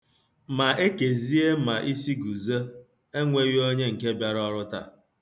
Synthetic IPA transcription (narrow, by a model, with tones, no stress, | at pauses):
ma˨e˦ke˨zi˦e˦ma˨ʔi˦si˦ɡu˨zə˦ | e˦ŋʷe˦jo˦ɲe˦ŋ̩˨ke˦bja˦ɾɔ˦ɾʊ˦ta̰˨